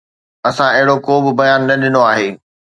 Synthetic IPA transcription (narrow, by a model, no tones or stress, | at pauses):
ɐsãɐɦɪɽokoːbɪ̆bɐjaːnːɐɗɪnoaːɦeː